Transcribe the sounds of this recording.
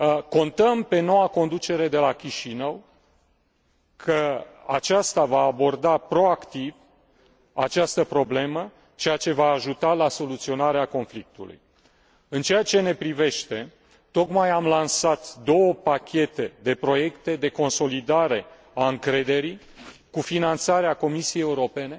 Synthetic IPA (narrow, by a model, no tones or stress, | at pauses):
ko̞nt̪əmpe̞no̞wako̞nd̪ut͡ʃe̞ɾe̞d̪e̞lakʲiʃinəw | kʰəa̰t͡ʃast̪avaːbo̞rd̪apɾo̞akt̪iv | a̰t͡ʃast̪əpɾo̞ble̞mə | t͡ʃe̞jat͡ʃe̞vaːʒut̪alaso̞lut̪sio̞naɾeako̞nflik̚t̪ulṵj | ɨnt͡ʃe̞jat͡ʃe̞ne̞pɾive̞ʃt̪e̞ | t̪o̞kmajamlansat̪d̪o̞wəpakʲʰe̞t̪e̞d̪e̞pɾo̞je̞kt̪e̞d̪e̞ko̞nso̞lid̪aɾe̞ | aɨŋkɾe̞d̪e̞ɾi | kufinant̪saɾeako̞misijejeuɾo̞pe̞ne̞